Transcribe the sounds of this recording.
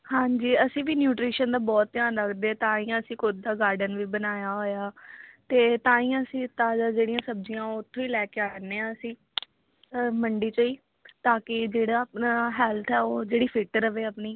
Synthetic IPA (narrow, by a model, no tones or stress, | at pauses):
hãːɲd͡ʒiːəsĩːʋiːnjuːʈɾiːʃənd̪aːbɔːt̪ːjaːnləkʰd̪eːt̪ãːĩːãːəsĩːkod̪aːɡaːɾɖənʋiːbənaːjaːɦoːjaːt̪eːt̪ãːĩːãəsĩːt̪aːd͡ʒaːd͡ʒeːɽijãːsəbd͡ʒijãːoʊt̪ʰːõːiːlɛːkeaːəneːãəsĩː | məɳɖiːt͡ʃəiː | t̪aːkɪd͡ʒeːɽaːpnaːɦɛːlt̪ʰɛːoːd͡ʒeːɽiːpʰɪʈəɾəʋeːəpniː